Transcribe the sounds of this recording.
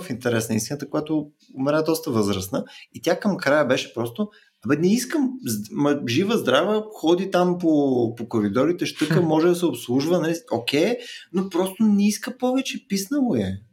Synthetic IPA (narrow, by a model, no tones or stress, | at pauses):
fint̪ɛɾɛsnəist̪inət̪əkʊjat̪ʊ | ʊmɛɾad̪ɔst̪əvɤzɾəsnəit̪ʲjakəmkɾajəbɛʃɛ̥pɾɔst̪o | ɐbɛnɛiskəmzmɐʒivəzd̪ɾavəxɔd̪it̪ampopokoɾid̪ɔɾit̪ɛʃt̪ɤkəmɔʒɛd̪ɐsɛopslˠuʒvənɐliokʲɛjnopɾɔst̪ʊnɛiskəpɔvɛt͡ʃɛpisnəvʊjɛ